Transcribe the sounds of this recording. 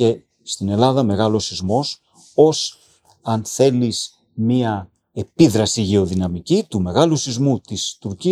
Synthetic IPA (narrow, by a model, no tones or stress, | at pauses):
e̞ | st̪ine̞lɐðɐme̞ɣɐlo̞sizmo̞s | o̞s | ɐnθe̞lis | miɐ | e̞piðɾɐsiʝe̞o̞ðinɐmicit̪ume̞ɣɐlusizmut̪ist̪uɾci